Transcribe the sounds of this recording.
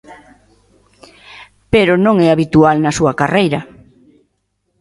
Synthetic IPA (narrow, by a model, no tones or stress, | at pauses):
peɾʊnõŋɛaβit̪ualnɐsuɐkarejɾɐ